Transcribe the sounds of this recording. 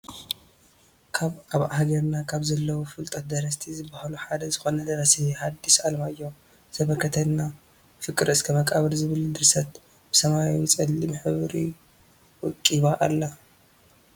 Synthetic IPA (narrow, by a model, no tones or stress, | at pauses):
kʰaβaβʔahɡɐɾnakʰaβzɐlːɐwufɨlt̪ʼɐt̪̚d̪ɐɾɐst̪ʰizɨbːahaluħad̪ɐzɨxo̞nɐd̪ɐɾɐsihad̪ːisalmaɨjːo̞ | z̥ɐβɐkʰːɐt̪ʰɐnna | fɨkʼɨɾɨskʰɐmɐkʼaβɐlzɨβɨld̪ɨɾsɐt̪ | b̥ɨsɐmawit͡sʼɨlːimħɨβɾḭ | wʊkʼːiβaʔa̰lːa